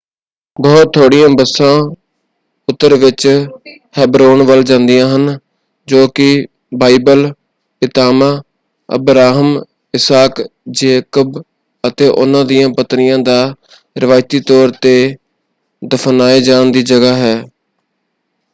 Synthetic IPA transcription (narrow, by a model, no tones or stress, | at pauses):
bɔːt̪ʰːoːɽɪjãːbəsːãː | ʊt̪ːəɾʋɪt͡ʃ | hɛːbɾoːnʋəld͡ʒãːnd̪ɪjãːɦən | d͡ʒoːkɪ | baːibəl | ɪt̪aːmãː | ə̰bɾaːɦəm | ɪsaːkd͡ʒeːkəb | ət̪eːʔʊ̰nãːd̪ɪjãːpət̪nɪjãːd̪aː | ɾɪʋaːɪt̪iːt̪ɔːɾt̪eː | d̪əpʰnaːeːd͡ʒaːɳd̪iːd͡ʒəɡaːɦɛː